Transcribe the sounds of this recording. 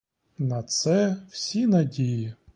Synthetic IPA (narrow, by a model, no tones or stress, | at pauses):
nɐt̪sɛwsʲinɐdʲijɪ